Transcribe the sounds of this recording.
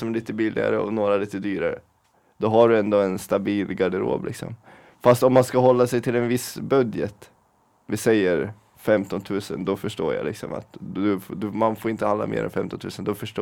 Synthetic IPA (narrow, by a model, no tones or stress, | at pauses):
sɔmɛliːt̪əbɪlʔɪ̰ɡa̰ɾəɔ̰noːɾaliːt̪əd̪yːɾaɾə̰ | d̪̥ɔɦaɖɵɛnd̪oːɛnst̪abiːlɡaɖɪɾo̰ːblɪ̰ksɔ̰m | fast̪ɔmːanskaɦɔlːasɛjt̪ʰɪlɛnvɪsbœd̪jət̪ | vɪsɛjːəɾ | fɛmt̪ɔnt̪ʰʉ̟ːsə̰nd̪ɔfœʂʈoːɾja̰lɪksɔ̰ma̰t̪ɵd̪ɵmanfoːɾɪnt̪əhand̪a̰mḛːɾɛ̰nfɛmt̪ɔnt̪ʰʉːsənd̪ɔfœʂʈː